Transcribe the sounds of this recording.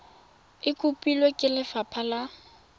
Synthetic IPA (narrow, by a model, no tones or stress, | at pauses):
ɪkʼupʼilwekʼɪlɪfapʰala